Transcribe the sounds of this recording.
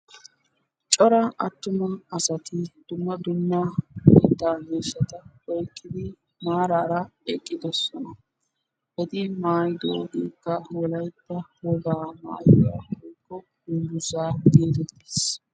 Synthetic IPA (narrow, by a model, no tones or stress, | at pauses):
t͡ʃʼɔɾɐʔɐt̪ːʊmɐnɐsɐt̪ɪd̪̥ʊmːɐd̪ʊmːɐɛt̪ːaːneːʃɐt̪ɐ | ɔjkʼːɪd̪ɪ | maːɾaːɾɐɛkʼːɪd̪ɔsɔnɐ | hɛd̪ɪmaːjd̪o̰ːɡiːkːɐwɔlɐjt̪ːɐwɔɡaːma̰ːjɔjɐhɔjkːɔ | ɡʊnbʊsaːɡeːd̪ɛt̪ːi̥s